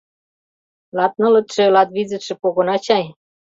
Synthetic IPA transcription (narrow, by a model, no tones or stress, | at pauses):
lɑt̪̚nɤ̆lɤ̆t̪ʃĕlɑt̪βizɘ̆t̪ʃĕpoɣonɑt͡ɕɑj